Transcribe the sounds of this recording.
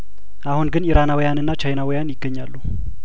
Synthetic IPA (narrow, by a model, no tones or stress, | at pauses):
ʔahunɡɨniɾanawjanɨnːat͡ʃajnawijanjɪɡːəɲːalːu